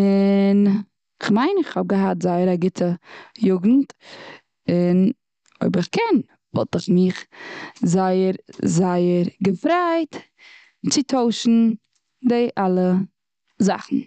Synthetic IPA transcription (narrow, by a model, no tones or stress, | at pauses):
ɪn | ɪχmaɪnɪχhɔb̚ɡəɦatzaɪəɾaɡɪtʰəjʊɡn̩t | ɪn | o̰ɪbɪχkʰɛn | vɔ̰lˠtɪχmɪχzaɪəɾzaɪəɾɡəfɾaɪt | t͡sɪtʰoʊʃn̩ | dɪʔalˠə | za̰χn̩